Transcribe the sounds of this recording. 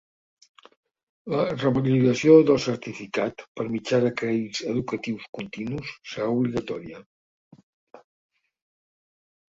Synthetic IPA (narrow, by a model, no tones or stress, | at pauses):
lərəməluəsioðəlˠsəɾt̪ifikat̪pəɾmid͡ʒaðəkɾɛizəðukət̪iwskunt̪inusːəɾauβliɣət̪ɔɾiə